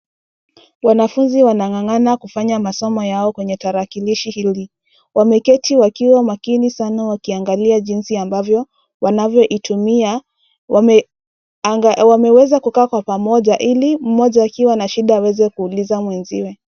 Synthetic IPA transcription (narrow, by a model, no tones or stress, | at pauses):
wanafunziwanaŋaŋanakufaɲamasɔmɔjaɔkwɛɲɛtaɾakiliʃihili | wamɛkɛtʰiwakiwamakinisanawakiaŋɡaliaʄinsiambavjɔ | wanavjɔʔitumia | wamɛwɛzakukaːkwapamɔʄaʔilim̩mɔʄaːkiwanaʃiɗaːwɛzɛkuːlizamwɛnziwɛ